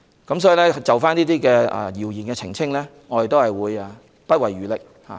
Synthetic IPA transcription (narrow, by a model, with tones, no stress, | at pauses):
kɐ˨˥msɔː˨˥ji˨˧lɛː˥t͡sɐ˨wfaː˥niː˥t̪iː˥kɛː˧ɛ̰˨jiː˨˩wjiː˨˩nkɛː˧t͡sʰɪ˨˩ŋt͡sʰɪ˥ŋlɛː˥ŋɔː˨˧˥d̪e˨t̪o˥whɐ˨jwuː˨˧ja˧ | pɐ˥t̚wɐ˨jyː˨lɪ˨k̚ | ha̰ː˨˦